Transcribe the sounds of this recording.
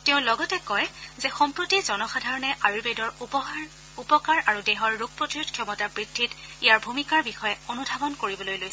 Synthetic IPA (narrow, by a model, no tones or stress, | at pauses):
tɛʊ̃lɔɡɔtɛkɔjzɛxɔmpɹotizɔnɔxadʱaɹɔnɛʔaɹibedɔɹ | upɔkaɹaɹudɛɦɔɹːuɡ̚pɹotiɹudkʰjɔmɔtabɹidʱːitijaɹbʱumikaɹbixɔjɛonubʱabɔnkoɹibɔlojlojsɛ